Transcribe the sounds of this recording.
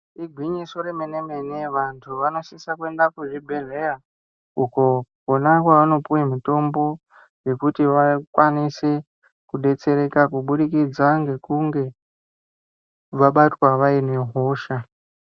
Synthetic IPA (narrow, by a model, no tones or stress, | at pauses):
iɡʱwiɲiso̞ɾemenemeneʋantʰuʋano̞sisakwe̞ndakuʐibʱe̞rera | ukokonakwaʋano̞puwimito̞mbo̞ | je̞kutiʋakwanise̞ | kuɗe̞t͡se̞ɾe̞kakuɓuɗikid͡zaŋɡe̞kuŋɡe̞ | ʋaɓatwaʋaine̞ɦoːʃa